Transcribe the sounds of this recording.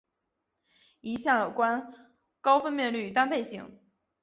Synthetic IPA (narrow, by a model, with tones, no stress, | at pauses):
i˧˥ɕjɑ˥˩ŋjo˨˩ʊkwa˥n | kɑ˥ʊfə˥nmjɛ˥˧nly˥˩˨t̪a˥npe˥˩ɪɕḭ˧˩˦ŋ